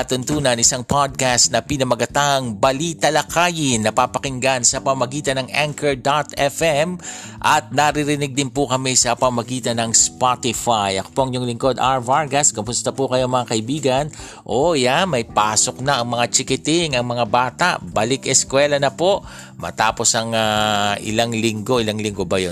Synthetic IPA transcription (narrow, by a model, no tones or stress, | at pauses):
t̪ʊnt̪uːnɐnɪsaŋpʰad̪̚kast̪nɐpinɐmɐɡɐt̪aʔɐŋbɐlit̪ɐlɐkaːjɪnːɐpapɐkɪŋɡansɐpɐmɐmɐɡiːt̪ɐnɐŋaŋkɛɹd̪at̪ɛfɛm | ʔɐt̪̚nɐɾɪɾɪnɪɡ̚d̪ɪnpʊkɐmɛsɐpɐmɐmɐɡiːt̪ɐnɐŋspat̪ɪfajɐ̰ko̥poʔɐŋɲoŋlɪŋko̞d̪ʔaɹvaɹɡɐskʊmʊst̪ɐpʊkɐjoɐŋmɐŋakɐʔɪibiːɡɐn | ʔojanmɐjpaːso̞k̚nɐʔɐŋmɐŋat͡ʃɪkɪt̪ɪŋɐŋmɐŋabaːt̪a̰ʔbɐlɪkɛskwɛlɐnɐpo̞ʔ | mɐ̰t̪aːpo̞sɐŋaʔɪ̰laŋlɪŋɡo̞ʔɪlaŋlɪŋɡobɐjo